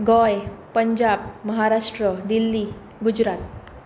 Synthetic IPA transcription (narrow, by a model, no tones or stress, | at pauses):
ɡɔjpəɲd͡ʑabməɦaɾaʂʈɾəd̪ilːi | ɡud͡ʑɾat̪̚